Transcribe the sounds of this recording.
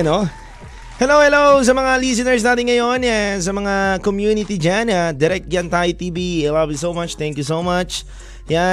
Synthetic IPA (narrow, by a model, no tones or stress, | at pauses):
no | hɛlowhɛlows̬ɐmɐŋalis̬ɪnɛɹs̬naːt̪ɪŋːɐjonas̬ɐmɐŋakomjunɪt̪id͡ʒanad̪ɪɾɛk̚t̪̚d͡ʒant̪ajt̪ibialɐvjus̬owmat͡ʃt̪ɛ̃ŋkjus̬owmɐt͡ʃ | ja